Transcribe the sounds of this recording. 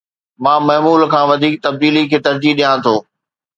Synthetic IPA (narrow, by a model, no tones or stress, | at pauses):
mãːmɐɦmuːlkʰãːʋɐd̪ʱiːk̚t̪ɐb̚d̪iːlikʰeːt̪ɐɾd͡ʑiːɗijãːt̪ʰoː